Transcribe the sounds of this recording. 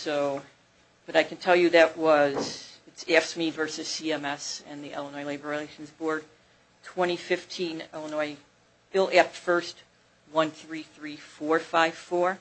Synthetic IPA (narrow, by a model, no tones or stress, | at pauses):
soʊ | b̥ʌɾaɪkn̩tʰɛlˠjɨðɨʔ̚wʌzɨtsɛfsmivɜ˞sɨz̥siɛmɛsɨ̃nðiʔɛ̰lˠə̃nɔɪleɪbə˞ɹileɪʃn̩zbɔɹd̚ | tʰw̥ɛ̃ɾ̃ifɪftʰĩnɛlˠənɔɪ | ɪlˠæp̚tfɜ˞st̚ | wʌ̃nθɹiθɹifɔɹfaɪv̥fɔɹ